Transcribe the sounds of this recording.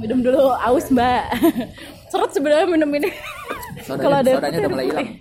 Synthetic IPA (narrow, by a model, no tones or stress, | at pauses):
minʊmduluaʊsmbaʔ | səɾʊt̪̚səbənarɲaminəmini | kaloadaptuɪh